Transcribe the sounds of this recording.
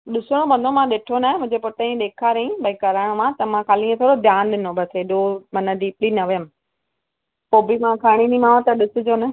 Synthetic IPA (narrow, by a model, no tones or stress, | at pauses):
ɗɪsəɽ̃õbɐ̃nd̪ʱomãɗɪʈʰonaːẽmʊ̃ɦd͡ʑepʊʈəĩɗeːkʰaːɾɐĩbɐĩkɐɾaːɪɽ̃õmãt̪ɐmãkaːlĩːẽt̪ʰoːɽod̪ʱjaːnɗɪnõbʱɐt̪ʰeɗoːmɐnəɖiːplinɐʋəjəm | poːbimãkʰaːɽ̃inĩmãːõt̪ɐɗɪsɪ̆d͡ʑoːnɐ